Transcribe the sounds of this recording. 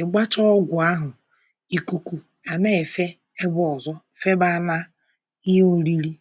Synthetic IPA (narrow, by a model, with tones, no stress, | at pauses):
ɪ˨ɡ͡ba˦t͡ʃɔ˦ɡʷʊ˨a˦ɦʊ˨ | i˨ku˨kʷu˨ | a˨ne˦˨fe˦ | e˦bɔ˦ɔ˨zɔ˦˨fe˦ba˦˨na˦ | i˦ɦo˦ɾi˦ɾi˦